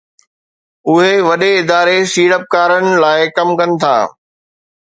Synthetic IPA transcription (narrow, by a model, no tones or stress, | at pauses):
ʊɦeʋɐɗeɪd̪aːɾesiːɽəp̚kaːɾənɪ̆laːɪkɐmkɐnɪ̆t̪ʰa̰ː